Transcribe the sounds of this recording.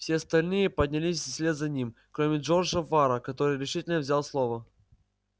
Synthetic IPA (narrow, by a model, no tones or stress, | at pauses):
fsʲeɐst̪ɐlʲnɨjəpəd̪ʲnʲɪlʲisʲsʲlʲet̪zɐnʲimkɾomʲɪʐo̞rʐəvaɾəkɐt̪o̞ɾɨjɾʲɪʂɨtʲɪlʲnəvzʲalˠslˠovə